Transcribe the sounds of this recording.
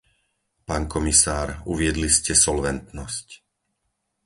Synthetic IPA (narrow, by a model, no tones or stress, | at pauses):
paːnkɔmisaːɾuʋɪɛd̪liscɛsɔlʋɛnt̪nɔsc